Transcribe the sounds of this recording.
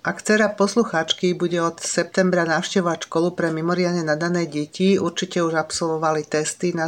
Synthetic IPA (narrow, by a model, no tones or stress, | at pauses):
ʔakt͡sɛɾapɔsluxaːt͡ʃkibuɟɛɔt̪sɛp̚t̪ɛmbɾanaːʊʃcɛʋɔʋacʃkɔlupɾɛmimɔɾɪad̪ɲɛnad̪anɛːɟɛciuɾt͡ʃicɛuʒapsɔlʋɔʋalit̪ɛst̪ina